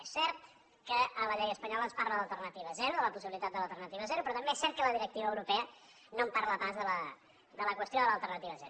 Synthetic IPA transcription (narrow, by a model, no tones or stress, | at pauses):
ɛsɛrt̪ | kəələʎɛjəspəɲɔlənsparləðəlˠt̪ərnət̪iβəzɛɾuðələpus̬iβilit̪at̪d̪ələlˠt̪ərnət̪iβəzɛɾupɾɔt̪əmbeɛsɛɾrt̪̚kələðiɾək̚t̪iβəːwɾupɛə | nomparləβazðələ | d̪ələkwəst̪joðələlˠt̪ərnət̪iβəzɛɾu